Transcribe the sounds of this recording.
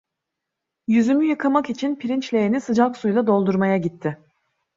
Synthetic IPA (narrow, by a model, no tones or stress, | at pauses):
jyzymyjɯkʰamakit͡ʃʰinpʰiɾint͡ʃlʲe̞jenisɯd͡ʒaksujlˠad̪o̞lˠd̪uɾmajaɟit̪ʰːɪ